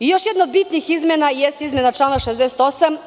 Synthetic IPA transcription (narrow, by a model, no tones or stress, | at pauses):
ijoʃjɛd̪naod̪bit̪nixizmʲenajɛst̪izmenat͡ʃlˠanaʃezd̪ɛset̪osam